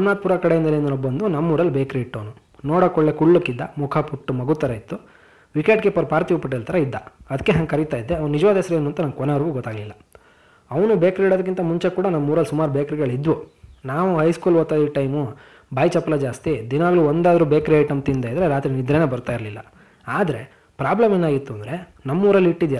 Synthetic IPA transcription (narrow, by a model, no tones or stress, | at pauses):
ɐmnaːt̪̚puːɾakɐɽeɐnd̪ɐleːnd̪unɔbːɐnd̪unɐmːuːɾɐlːubeːkɾiiʈːoːnu | nɔːɽɐkɔɭːekuɭːukːid̪ːɐmukʰɐpuʈːumɐɡut̪ːɐɾɐit̪ːu | ʋikeːʈɡepɐɾpaːɾt̪iupɐʈ̬ːelt̪ʰɐɾɐid̪ːɐɐd̪ɐkːeɦɐŋɡkɐɾit̪aːjid̪ːeɐʋnnid͡ʒɐʋaːd̪ɦɛsɐɾeeːnuːɐnt̪ɐnɐnkɔneʋɐɾɡuɡɔt̪ːaːɡɐlilːɐ | ɐʋɐnubeːkɾiːɽod̪ɐk̬ːint̪ɐmuɲt͡ʃekuːɽɐnɐmːuːɾɐlsumaːɾubeːkɾiɡɐɭid̪ʋunaːʋuɦɐjskuːlʋoːt̪ːaːd̪iʈɐjmu | bʱaːjt͡ʃɐpːɐlɐd͡ʒaːst̪id̪inɐʋaːɡɐɭuːond̪aːd̪ɐɾubeːkɾiɐjʈɐmt̪ind̪eːjid̪ɐɾeɾaːt̪ɾinid̪ɾeːne̞ːbɐɾt̪aːjiɾlilːɐ | aːd̪ɐɾe̞ | pɾaːblɐmeːnaːɡit̪ːuɐnd̪ɾe̞ | nɐmːuːɾɐlːiʈːid̪ja